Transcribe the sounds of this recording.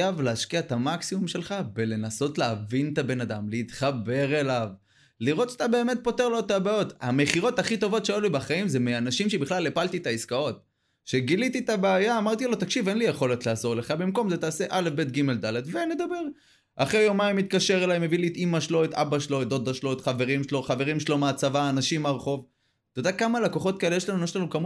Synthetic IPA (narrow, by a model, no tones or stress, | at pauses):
avleaʃkiaet̪amaksimumʃe̞lχabele̞naso̞tleːvint̪abe̞nad̪amleit̪χabe̞ʁe̞lav | liʁo̞t̪ḁt̪abe̞ːme̞t̪̚po̞te̞ʁlo̞t̪abao̞t̪ameχiʁo̞t̪aχit̪o̞vo̞tʃeojulibaχaimzemeanaʃimʃebiχlalepalt̪it̪aiskao̞t̪̚ | ʃeɡilit̪it̪abeajaːmaʁt̪ilo̞t̪akʃivenlijeχo̞let̪laːzo̞ʁle̞χabimko̞mzetaːse̞ʔale̞fbet̪̚ɡime̞ld̪alad̪ve̞ne̞d̪abe̞ʁ | aχejomaimit̪̚kaʃeʁelajmevilit̪imaʃlo̞et̪a̰baʃlo̞et̪̚od̪aʃlo̞et̪χave̞ʁimʃlo̞χaveʁimʃelo̞meat͡savaːnaʃimaʁχo̞v | t̪od̪akamalako̞χo̞t̪̚kae̞lejeʃlanujeʃlanukamu